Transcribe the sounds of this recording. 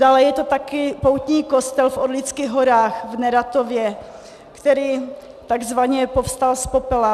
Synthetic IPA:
daːlɛjɛt̪ot̪akɪpowt̪ɲiːko̞st̪ɛlfʔodlɪt͡skɪɣɦoɾaːxvnɛɾat̪ovjɛ | kt̪ɛɾiː | t̪aɡzvaɲɛpofst̪alspopɛla

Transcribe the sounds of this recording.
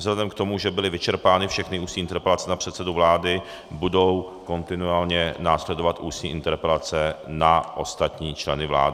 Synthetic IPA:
zlɛdɛmkt̪o̞muʒɛbɪlɪvɪt͡ʃɛɾpaːnɪfʃɛxnɪuːsiːɪnt̪ɛɾpɛlat͡sɛnapr̝̥ɛt̪sɛduvlaːdɪ | budo̞w | ko̞nt̪ɪnuaːlɲɛnaːslɛdovat̪ʔuːsɲiːʔɪnt̪ɛɾpɛlat͡sɛnaʔost̪at̪ɲiːt͡ʃlɛnɪvla̰ːdɪ

